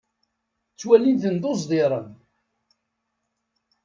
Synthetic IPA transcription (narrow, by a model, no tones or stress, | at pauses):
t͡sːwælinðənd̪ozˤd̪ˤiɾˤən